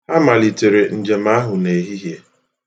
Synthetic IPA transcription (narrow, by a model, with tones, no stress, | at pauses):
a˦ma˨li˨te˨ɾe˨n̩˨d͡ʒe˨ma˦ɦʊ˨ne˨ɦi˦ɦje˦